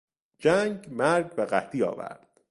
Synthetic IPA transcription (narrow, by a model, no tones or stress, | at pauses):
d͡ʒæŋɡmæɾɟbeɢæ̰t̪iːɒ̰ːvæ̰ɾd̪̥